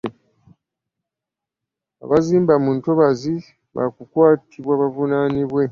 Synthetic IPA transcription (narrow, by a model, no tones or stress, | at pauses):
a̰βaziːmbamunto̞βazi | βa̰kukwaːtʰiβwaːβavunaːniβwe̞